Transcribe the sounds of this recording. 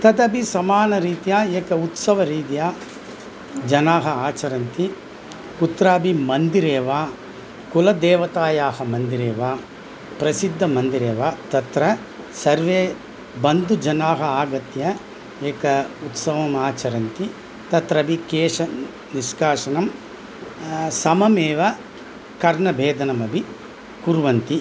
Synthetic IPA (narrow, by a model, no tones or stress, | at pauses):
t̪ɐt̪ɐbisɐmaːnɐɾiːt̪ijaːeːkɐut̪sɐʋɐɾiːt̪ijaː | d͡ʒɐnaːɦɐaːt͡ʃɐɾɐnt̪i | kut̪ɾaːbimɐnd̪iɾeːʋaː | kulɐd̪ɛːʋɐt̪aːjaːɦɐmɐnd̪iɾeːʋaː | pɾɐsid̪ʱːɐmɐnd̪iɾeːʋaːt̪ɐt̪ɾɐ | sɐɾʋeː | bɐnd̪ud͡ʒɐnaːɦɐaːɡɐt̪jɐ | eːkɐut̪sɐʋɐmaːt͡ʃɐɾɐnt̪i | t̪ɐt̪ɾɐbikeːʂɐ | niʃɡaːʂɐnɐm | sɐmɐmeːʋɐ | kɐɾɳɐbʱeːd̪ɐnɐmɐbʱi | kuɾʋɐnt̪i